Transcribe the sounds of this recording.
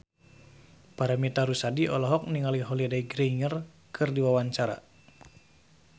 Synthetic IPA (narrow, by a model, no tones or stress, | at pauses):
paɾamit̪aɾusadiʔɔlɔɦɔk̚niŋaliɦɔlidaiɡɾiŋər | kʰɨrdiwawaɲt͡ʃaɾa̰